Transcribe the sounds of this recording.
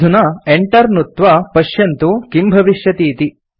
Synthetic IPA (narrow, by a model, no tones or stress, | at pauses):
unɐeɳʈɐɾnut̪ʋɐpɐʃjɐnt̪ukimbʱɐʋiʃjɐt̪iːt̪i